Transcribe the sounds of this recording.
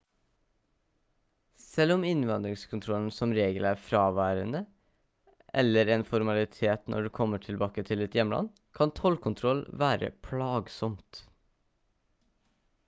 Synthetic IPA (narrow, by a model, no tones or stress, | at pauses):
sɛlɔmɪnʋɑnd̪ɾɪŋskʰʊnt̪ʰɾɔln̩sɔmɾeːɡəlæːɾfɾɑːʋæːɾənə | ʔɛ̰ləɾeːnfɔɾmɑlɪt̪ʰeːt̪nʔɔ̰ɖʉːkʰɔməʈʰɪlbɑːkət̪ʰɪlɛt̪jɛməlʔɑ̰n | kʰɑnt̪ʰɔlkʰʊnt̪ʰɾɔlʋæːɾə̰pʰlɑːɡsɔmt̪